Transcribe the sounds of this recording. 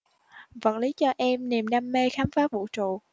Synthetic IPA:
və̰˧˥nli˨˦t͡ɕɔ˧ʔɛ˧mni˨˩mɗaː˧mːe˧xaː˨˦mfaː˦˥t̚vṵ˧˨t͡ɕṵ˧˨

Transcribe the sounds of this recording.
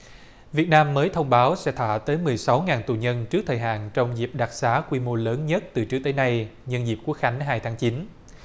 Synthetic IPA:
vi˨˩ət̚naː˧mːəː˨˦jt̪ʰə˧wŋ͡mɓaː˨˦wsɛ̰˧˥t̪ʰa̰ː˧˨t̪əː˨˦jmɨ˨˩əjsa˨˦wŋaː˨˩nt̪u˨˩ɲə˧nt͡ɕɨ˦˥k̚t̪ʰəː˨˩jɦa̰ː˧˨nt͡ɕɔ˧wŋ͡mzi˨˩p̚ɗa˨˩k̚saː˨˦kwi˧mo˧ləː˨˦nɲə˦˥t̚t̪ɨ˨˩t͡ɕɨ˦˥t̪əː˨˦jna˧jɲə˧nzi˨˩p̚ku˦˥ək̚xa˨˦jŋ̟ɦaː˧jt̪ʰaː˨˦ŋt͡ɕi˨˦n

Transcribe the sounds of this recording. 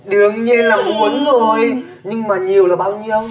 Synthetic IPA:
ɗɨ˨˩əŋɲi˧ənlaː˨˩mmu˨˦ənzo˨˩j | ɲɨ˧ŋmaː˨˩ɲi˨˩əwlaː˨˩ɓaː˧wɲi˧ə˧w

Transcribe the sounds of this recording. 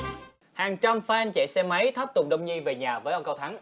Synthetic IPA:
haː˨˩ŋt͡ɕa˧mfɛː˧nt͡ɕe˧˩sɛ˧mə˨˦jt̪ʰə˦˥p̚t̪ʊ˨˩ŋ͡m̚ɗə˧wŋ͡mɲi˧ve˨˩ɲaː˨˩vəː˨˦jʔə˧ŋ͡mkə˧wt̪ʰa˨˦ŋ

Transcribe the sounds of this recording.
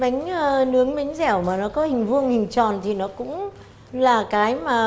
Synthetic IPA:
ma˨˦ŋ̟ː˧nɨ˨˦əŋma˨˦jŋ̟zɛ˧˩wmaː˨˩nɔ˨˦kɔ˨˦hï˨˩ŋ̟vɨ˧əŋhï˨˩ŋ̟t͡ɕɔ˨˩nt̪ʰi˨˩nɔ˨˦kʊ̰˧˥ŋ͡m | laː˨˩kaː˨˦jmaː˨˩

